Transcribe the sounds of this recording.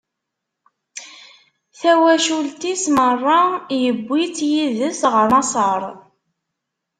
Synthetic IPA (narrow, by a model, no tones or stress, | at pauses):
θæwæʃult̪ismərˤːɑjəbʷːit͡sːjiðəsʁəɾmɑsˤəɾˤ